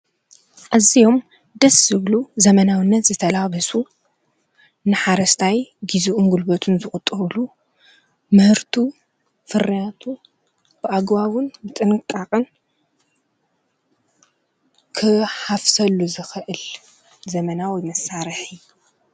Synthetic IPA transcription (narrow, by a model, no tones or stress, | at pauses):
ʔazijo̞m | d̪ɐszɨβluzɐmɐnawɨnːɐt̪zɨt̪ʰɐlaβɐsu | nɨħaɾɐst̪ʰajɡizuʔunɡulbot̪ʰunzɨxʼʊt̪ʼɨβlu | mɨhɨɾt̪ʰu | fɨrːijat̪ʰu | b̥ɨʔaɡbawɨnbɨt̪ʼɨnɨkʼaχʼɨn | kʰɨħafsɐlːuzɨxɨʔɨl | zɐmɐnawjmɐsːaɾɨħi